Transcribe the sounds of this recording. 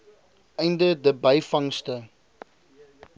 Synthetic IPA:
ɛjndədəbɐjfɐŋstə

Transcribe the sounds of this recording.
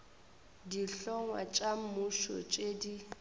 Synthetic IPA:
diɬɔŋwa̰t͡ʃʼamʊʃɔ̰t͡ʃʼeːdi

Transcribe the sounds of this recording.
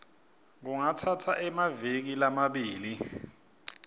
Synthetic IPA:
ŋuŋatʰatʰaʔɛmavek̬ilamaɓiːli

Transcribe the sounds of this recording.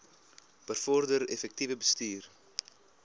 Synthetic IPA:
b̥ərfɔrdəɾɛfɛk̚tivəbəstyːr

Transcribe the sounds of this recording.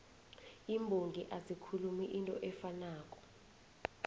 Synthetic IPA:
imbʱoŋɡʱiʔazikʰulumiʔintʼɔʔɛfanaːkʼɔ̥

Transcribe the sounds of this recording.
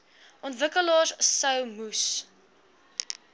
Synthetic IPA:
ʔɔntvəkəlɔːssəwmus

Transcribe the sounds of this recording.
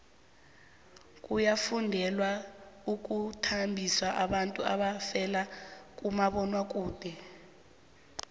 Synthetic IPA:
kʼujafundʱɛlwauk̬ʼutʰambʱiswaʔaɓantʼua̰ɓafɛlak̬ʼumaɓɔnwak̬ʼuːd̥ʱɛ

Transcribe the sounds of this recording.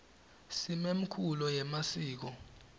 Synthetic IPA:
simem̩kʰulɔjɛmasiːk̬ɔ

